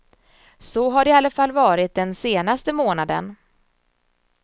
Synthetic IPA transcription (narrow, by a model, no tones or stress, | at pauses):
sɔɦaɖɛalːəfalːvɑːɾɪt̪̚d̪ɛnseːnast̪əmoːnad̪ə̰n